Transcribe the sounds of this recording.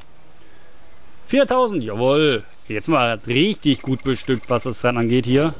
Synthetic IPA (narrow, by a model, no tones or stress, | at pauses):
fiːɐtʰaʊzn̩tjaːvɔl | jɛt͡stmaːlʁɪçtɪçɡ̥uːt̚b̥əʃtʏk̚tv̥asd̥asd̥ʁanʔanɡeːthiːɐ